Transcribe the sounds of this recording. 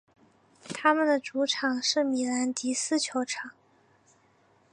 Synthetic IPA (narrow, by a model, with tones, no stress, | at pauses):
t̪ʰa˥mə˨nd̪ə˩ʈ͡ʂu˧˥ʈ͡ʂʰɑ˨˩ŋʂɻ̩˥˩mi˨˩la˧˥nt̪i˧˥sɹ̩˥˩t͡ɕʰjo˧˥ʊʈ͡ʂʰɑ˨˩˦ŋ